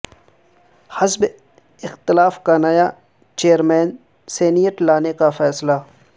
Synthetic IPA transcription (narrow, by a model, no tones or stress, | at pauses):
həsb | ɪxt̪ɪlaːfkanaːja | t͡ʃeːəɾmɛːn | seːnijəʈlaːnekafɛːsla